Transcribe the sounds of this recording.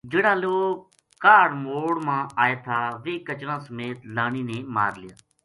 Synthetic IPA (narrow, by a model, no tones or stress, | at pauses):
d͡ʒeːɽãːloːk | kaːɽmoːɽmãːaːeːt̪ʰaːʋeːkət͡ʃɾãːsəmeːt̪laːniːnẽːma̰ːɾlɪja̰ː